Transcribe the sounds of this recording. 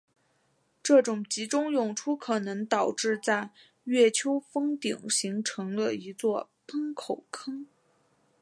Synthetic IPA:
ʈ͡ʂɤ˥˩ʈ͡ʂʊ˨˩ŋt͡ɕi˧˥ʈ͡ʂʊ˥ŋjʊ˨˩ŋʈ͡ʂʰu˥kʰɤ˨˩nɤ˧˥ŋt̪ɑ˨˩ʊʈ͡ʂɻ̩˥˧t͡sa˥˧ɪ | ɥɛ˥˩t͡ɕʰjo˥ʊfɤ˥ŋt̪i˨˩ŋɕi˧˥ŋʈ͡ʂʰɤ˧˥ŋlə˧i˧˥t͡swɔ˥˧ | pʰə˥ŋkʰo˨˩ʊkʰɤ˥ŋ

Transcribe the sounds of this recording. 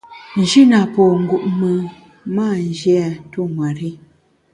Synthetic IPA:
n̩˨d͡ʒi˦na˨pɔː˨ŋ̩˨ɡu˨ʔmə˨ | maː˦˨n˨d͡ʒa˨tu˦ŋwa˨ɾi˦

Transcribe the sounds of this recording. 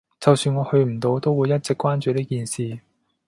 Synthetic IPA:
t͡sɐ˨wsyː˧nŋɔː˨˧hɵ˧ɥm̩˨˩t̪o˨˧wt̪o˥wuː˨˧jːɐ˥t̚t͡sɪ˨kʷːwaː˥nt͡ʃyː˨˧ɾiː˥kiː˨˧nsiː˨˩

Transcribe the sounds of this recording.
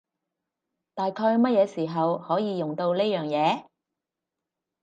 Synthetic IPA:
t̪aː˨jkʰɔː˧jmɐ˥t̚jɛː˨˧siː˨˩ɦɐ˨whɔː˨˥jiː˨˧jʊ˨ŋt̪o˧wle˥jœː˨ŋjɛː˨˧

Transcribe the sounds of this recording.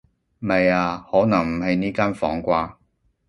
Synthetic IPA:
mɐ˨jaː˧hɔː˨˥nɐ˨˩ŋm̩˨˩hɐ˨jniː˥kaː˥nfɔ̰ː˨˥ŋkʷaː˧

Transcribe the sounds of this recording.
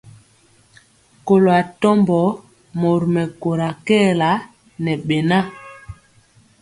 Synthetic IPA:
ko˨lo˨a˨tɔ˦mbɔ˨˦ | mo˨ɾmɛ˨ko˨ɾa˨kɛː˦˨la˨˦ | nɛ˨ɓɛ˨na˦

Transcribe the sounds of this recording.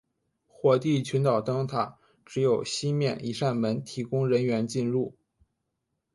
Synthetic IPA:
xwɔ˥˩t̪i˥˩t͡ɕʰy˧˥nt̪ɑ˨˩ʊt̪ɤ˥ŋt̪ʰa˨˩ | ʈ͡ʂɻ̩˧˥jo˨˩ʊɕi˥mjɛ˥˩nʔḭ˨˩ʂa˥˩nmə˧˥nt̪ʰi˧˥kʊ˥ŋɻə˧˥nɥɛ˧˥nt͡ɕi˥˧nɻu˥˩

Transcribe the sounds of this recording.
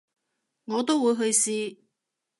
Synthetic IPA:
ŋɔː˨˧t̪o˥wuː˨˧jɦɵ˧ɥsiː˧

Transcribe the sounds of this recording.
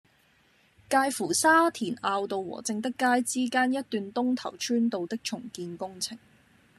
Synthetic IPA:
kaː˧jfuː˨˩saː˥t̪ʰiː˨˩naː˧wt̪o˨wwɔ̰ː˨˩t͡sɪ˧ŋt̪ɪ˥kːaː˥jt͡siː˥kaː˥njɐ˥t̚t̪yː˨nt̪ʊ˥ŋt̪ʰɐ̰˨˩wt͡ʃʰyː˥nt̪o˨˧wt̪ɪ˥k̚t͡ʃʰʊ˨˩ŋkiː˧nkʊ˥ŋt͡sʰɪ˨˩ŋ

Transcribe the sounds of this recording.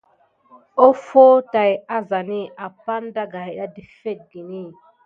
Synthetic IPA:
o˦foː˦ta˨ja˦za˨ni˦ʔa˨pa˦n˦da˦ɡa˨ja˦di˨fe˦˨t̚ɡi˨ni˦

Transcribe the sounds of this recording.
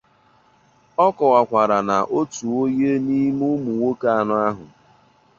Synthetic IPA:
ɔ˦kɔ˨wa˨kʷa˨ɾa˨na˨ʔo˦tu˨o˦je˦ni˦mu˦mu˨wo˦ka˦a˨nʊ˦a˦ɦʊ˨

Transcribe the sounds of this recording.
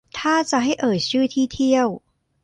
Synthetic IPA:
t̪ʰaː˥˩t͡ɕa˨˩ʔɦa˥˩jʔɤː˨˩j̚t͡ɕʰɯː˥˩t̪ʰiː˥˩t̪ʰi˥˩əw

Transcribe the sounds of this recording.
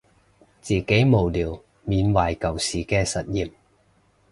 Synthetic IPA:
t͡siː˨ke˨˥jmo˨˩wliː˨˩w | miː˨˧nwaː˨˩jkɐ˨˩wsiː˨˩kɛː˧sɐ˨t̚jiː˨m

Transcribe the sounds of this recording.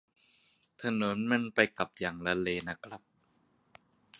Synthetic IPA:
t̪ʰa˧no˨˩˦nma˧npa˧jka˨˩p̚jaː˨˩ŋla˧leː˧na˦˥kʰɾa˦˥p̚

